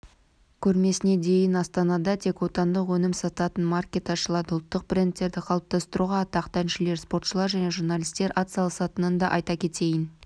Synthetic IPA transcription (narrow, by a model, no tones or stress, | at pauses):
kʲʰɵɾme̞sɪne̞d̪e̞jɪnɑst̪ɑnɑd̪ɑt̪ʰe̞kwo̞t̪ɑnd̪əqwɵnɪmsɑt̪ɑt̪ənmarkʲe̞t̪ɑʃəlˠɑd̪ʊlˠt̪ːəq̚prʲe̞nt̪ːe̞ɾd̪ɪqʰɑlˠəp̚t̪ɑst̪əɾuʁɑt̪ʰɑqt̪ænʃɪle̞ɾspo̞rt̪ʃəlˠɑɾʒæne̞ʒurnɑlʲijst̪e̞ɾʔɑt̪sɑlˠəsɑt̪ənənd̪ɑʔɑjt̪ɑkʲʰe̞t̪e̞jɪn